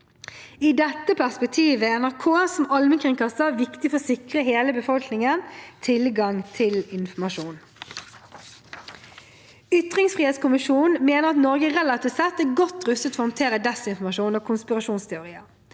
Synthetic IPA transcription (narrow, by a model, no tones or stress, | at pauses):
iːd̪ɛt̪ːəpʰæʁspɛk̚t̪ʰiːʋəɛnæʁkʰoːæsɔmɑlmənkʰʁɪŋkʰɑst̪əʋɪkt̪ɪfɔʁɔsɪkʁəɦeːləbəfɔlknɪŋənt̪ʰɪlɡɑŋt̪ʰɪlɪnfɔmɑʂuːn | ʏt̪ʁɪŋsfʁiːheːt̪skʊmɪʃuːnnmeːnəʁɑt̪nɔɾɡəʁɛlɑt̪ʰɪːʋt̪sɛt̪ːæːɡɔt̪ːʁʉst̪ət̪fɔːhɔnt̪ʰeːɾəd̪ɛsɪnfɔmɑʃuːnoːkʰʊnspɪʁɑʃuːnst̪ʰɛʊɾiːə